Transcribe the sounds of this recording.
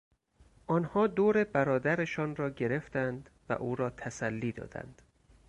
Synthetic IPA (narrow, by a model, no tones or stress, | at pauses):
ʔɒːnhɒːd̪oːɾe̞bæɾɒːd̪æɾeʃɒːnrɒːɟe̞ɾe̞ft̪ænd̪væ̰ʔuːɾɒːt̪ʰæsælːiːd̪ɒ̰ːd̪̥æ̰nd̪̥